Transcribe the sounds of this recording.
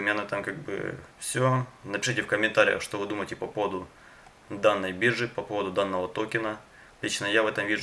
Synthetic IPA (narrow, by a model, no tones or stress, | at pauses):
ɪmʲanət̪amkaɡ̚bɨ̰fsʲonəpʲɪ̥ʂitʲɪfkəmʲɪnt̪aɾʲɪjə̰xʂt̪ovɨd̪uməjtʲɪpɐpo̞vəd̪ʊ | d̪anːəjbʲiʐɨpɐpovəd̪ʊd̪anːəvɐt̪okʲɪnə | tllʲit͡ɕnəjavɛt̪ɐmvʲiʐ